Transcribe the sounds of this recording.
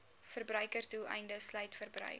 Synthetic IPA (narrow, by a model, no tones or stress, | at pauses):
fərbrœɥkərdulˠɛ̰jndəslœjtfərbrœ̰ɥk̚